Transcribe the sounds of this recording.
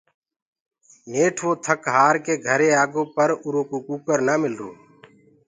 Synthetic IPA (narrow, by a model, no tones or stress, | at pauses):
neːʈʰʋoːt̪ʰəkɦaːɾkeːɡʱəɾeːaːɡõːpəɾʊɾoːkuːkuːkəɾnaːmɪlɾṵː